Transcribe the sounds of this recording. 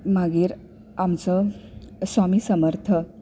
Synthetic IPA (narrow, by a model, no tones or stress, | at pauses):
maɡiɾ | amt͡sə | samisəməɾt̪ʰə